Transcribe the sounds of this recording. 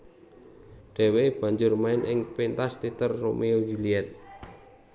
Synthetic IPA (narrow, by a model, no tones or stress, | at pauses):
ɖ̥ɛ̤web̥ä̤ɲd͡ʒʊrmaɪnʔɪŋpint̪ast̪it̪ərːomeoɡiliɛt̪̚